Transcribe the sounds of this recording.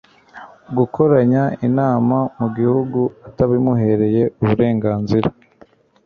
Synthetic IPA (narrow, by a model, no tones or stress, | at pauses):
ɡuko̞ɾaɲainaːmamuɡihuɡuataβimuɦe̞ɾe̞je̞uβuɾe̞ːŋɡaːnziɾa